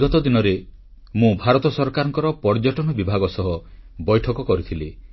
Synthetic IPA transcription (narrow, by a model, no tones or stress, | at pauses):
ɡɔt̪ɔd̪inɔɾe | mũbʱaɾɔt̪ɔsɔɾkaɾɔŋkɔɾɔpɔɾd͡ʒɔʈɔnɔbibʱaɡɔsɔɦɔbɔjʈʰɔkɔkɔɾit̪ʰili